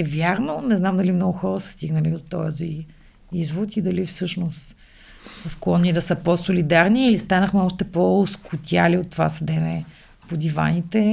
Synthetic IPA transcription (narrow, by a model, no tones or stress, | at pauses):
ɛvʲjaɾnonɛznamd̪ɐlimnɔɡʊxɔɾəsə̥st̪iɡnəlid̪ot̪ɔ̰zi | izvot̪id̪ɐlifsɤʃnost̪ | səsklˠɔnːid̪ɐsəposolid̪aɾniːlist̪anəxmɛɔʃt̪ɛpooskʊt̪ʲjaliot̪ːova̰sɐd̪ɛnɛ | pod̪iva̰nit̪ɛ